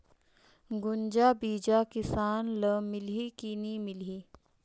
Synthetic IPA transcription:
ɡʊnd͡ʒabiːd͡ʒakɪsaːnləmɪlikinimɪliː

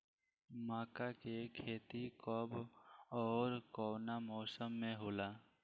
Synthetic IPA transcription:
maːkakekʰeːt̪ikɔbɔːɾkɔːnamɔːsəmːẽɦoːlaː

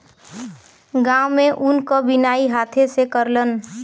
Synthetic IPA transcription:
ɡãːwmẽʔʊnkəbinaːiɦaːt̪ʰesekəɾlən

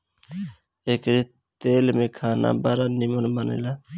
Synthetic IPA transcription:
eːkɾi | t̪eːlmẽkʰaːnʔa̰baːɾanimənbənḛla

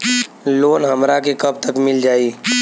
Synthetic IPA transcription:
loːnɦɐmɾakekɐb̚t̪ɐkmɪld͡ʒaːiː

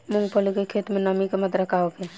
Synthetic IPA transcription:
mʊ̃ŋɡpəlikekʰeːt̪mẽnəmikemət̪ɾəkʰaːoke

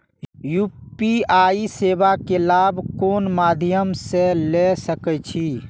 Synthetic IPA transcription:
juːpiaːiseːbakelaːbʱkoːnmaːd̪ʱjəmselesəkɛt͡ʃʰiː

